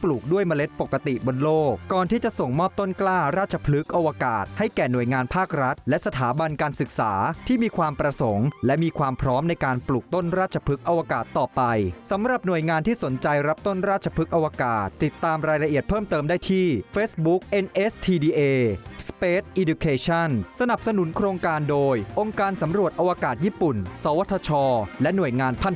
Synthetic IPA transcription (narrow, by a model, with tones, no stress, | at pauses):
pluː˨˩k̚du˥˩əjma˧le˦˥t̪̚po˨˩kːa˧t̪i˨˩ʔbo˧nloː˥˩kːɔː˨˩nt̪ʰiː˥˩t͡ɕa˨˩so˨˩ŋmɔː˥˩p̚t̪o˥˩nklaː˥˩ɾaː˥˩t̪̚t͡ɕʰa˧pʰlɯ˦˥k̚ʔa˧waː˧kaː˨˩t̪̚ha˥˩jkɛː˨˩nu˨˩əjŋaː˧npʰaː˥˩k̚ɾa˦˥t̪̚lɛ˦˥sa˧t̪ʰaː˩˦ba˧nkaː˧nsɯ˨˩k̚saː˩˦t̪ʰiː˥˩miː˧kʰwaː˧mpɾa˧so˩˦ŋlɛ˦˥miː˧kʰwaː˧mpʰɾɔː˦˥mna˧jkaː˧npluː˨˩k̚t̪o˥˩nɾaː˥˩t͡ɕʰa˧pʰɯ˦˥k̚ʔa˧wa˧kaː˨˩t̪ːɔː˨˩pa˧jsa˩˦mɾa˨˩p̚nu˨˩əjŋaː˧nt̪ʰiː˥˩so˩˦nt͡ɕa˧jɾa˦˥p̚t̪o˥˩nɾaː˥˩t̪̚t͡ɕʰḁ˧pʰɯ˦˥k̚ʔa˧waː˧kaː˨˩t̪ːi˨˩t̪ːaː˧mɾaː˧jɾa˧ʔi˨˩ət̪̚pʰɤː˥˩mt̪ɤː˧mdaː˥˩jt̪ʰiː˥˩feː˦˥sbu˦˥k̚ʔe˧nʔe˦˥st̪ʰiː˧diː˧ʔeː˧speː˦˥t̪̚ʔi˧du˧kʰeː˧t͡ɕʰa˥˩nsa˧na˨˩p̚sa˧nu˩˦nkʰɾoː˧ŋkaː˧ndoː˧jʔo˧ŋkaː˧nsa˩˦mɾu˨˩ət̪̚ʔa˧wa˧kaː˨˩t̪̚jiː˥˩pu˨˩nsaː˨˦wa˦˥t̪ʰːa˧t͡ɕʰɔː˧lɛ˦˥nu˨˩əjŋaː˧npʰa˥˩n